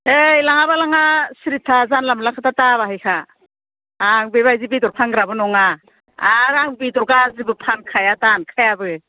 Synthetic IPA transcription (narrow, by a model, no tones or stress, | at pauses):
ejlaŋabalaŋasiɾitʰazanlamlakʰatataβahɯjkʰaː | ŋbeβajzibidɔɾpʰanɡɾabɯnɔŋa | aɾaŋbidɔɾɡazibɯpʰankʰajatankʰajabɯ